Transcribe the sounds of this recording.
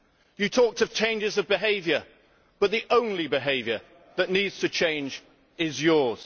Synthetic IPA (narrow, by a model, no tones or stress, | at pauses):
jɨtʰɔˑk̚tʰəv̥t͡ʃʰẽɪ̃nd͡ʒɪzʌvbɪɦeɪvjə˞ | b̥ʌt̪̚ðiʔõʊ̃nlibɪɦeɪvjə˞ | ðəʔⁿnidz̥tʰɨt͡ʃʰẽɪ̃nd͡ʒ | ɪzjɔɹz̥